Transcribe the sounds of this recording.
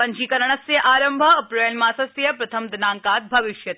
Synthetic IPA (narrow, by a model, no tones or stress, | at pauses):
pɐɲt͡ʃiːkɐɾəɳ̃ɐsjɐʔaːɾəmbʱɐːpɾojɐnmãːsɐsjɐpɾɐt̪ʰɐmd̪ɐnaːŋkaːt̪̚bʱɐʋɪʃjɐt̪